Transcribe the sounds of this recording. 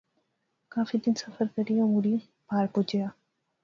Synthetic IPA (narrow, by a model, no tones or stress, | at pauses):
kaːfid̪insɐfəɾkɐɾijõuɽi | paːɾpud͡ʒeja